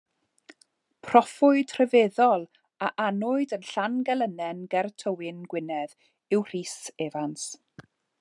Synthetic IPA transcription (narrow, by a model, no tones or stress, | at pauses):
pʰrɔfʊɨd̥ʰrɛveðɔlˠ | aʔanʊɨdənɬanɡɛlˠənɛnɡɛrtʰəwɪnɡwɪnɛð | ɪwr̥iːseːvans